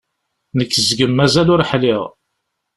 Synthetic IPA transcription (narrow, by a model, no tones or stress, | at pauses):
nəkːəzɡəmːæzælʊɾħlɪʁ